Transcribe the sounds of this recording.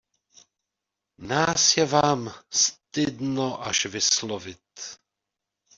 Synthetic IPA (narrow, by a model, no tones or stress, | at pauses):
naːsjɛvaːmst̪ɪd̪noʔaʃvɪslovɪt̪